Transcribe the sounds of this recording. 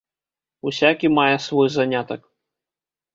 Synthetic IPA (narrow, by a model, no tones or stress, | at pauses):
usʲakʲimajɛsvɔjzanʲat̪ɐk